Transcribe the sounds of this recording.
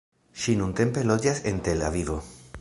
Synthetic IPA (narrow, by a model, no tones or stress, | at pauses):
ʃinunte̞mpe̞lo̞d͡ʒase̞ntela̰vivo̞